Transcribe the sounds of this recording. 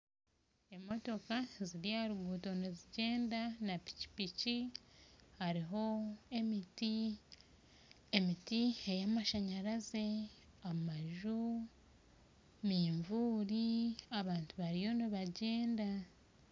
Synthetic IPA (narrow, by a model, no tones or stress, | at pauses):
emo̞to̞kaziɾijaɾuɡuːto̞neziɟe̞ːndanapi̥ci̥pici | haɾiɦo̞emiti | emitiejamaʃaɲaɾaze̞ | ammaʒu | miːɱvuːɾiaβaːntuβaɾijo̞niβaɟe̞ːnda